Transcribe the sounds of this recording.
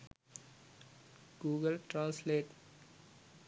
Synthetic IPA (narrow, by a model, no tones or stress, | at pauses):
ɡ̥uːɡəlʈɾãːnsleːʈ